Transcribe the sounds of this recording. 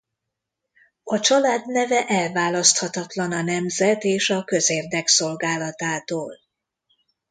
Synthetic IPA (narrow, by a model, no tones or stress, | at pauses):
ɒt͡ʃɒlaːd̪nɛvɛʔɛlvaːlɒst̪hɒt̪ɒt̪lɒnɒnɛmzɛt̪eːʃɒkøzeːrd̪ɛkso̞lɡaːlɒt̪aːt̪oːl